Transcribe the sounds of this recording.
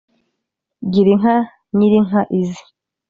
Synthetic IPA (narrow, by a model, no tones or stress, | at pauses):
ɟiɾiŋa | niɾiŋaʔizi̥